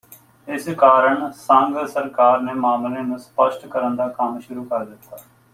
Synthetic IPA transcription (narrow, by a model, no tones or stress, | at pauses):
ɪskaːɾəɳsə̃ŋɡsəɾkaːɾneːmaːmleːnũːspəʃʈkəɾənd̪aːkəmʃʊɾuːkəɾd̪ɪt̪ːaː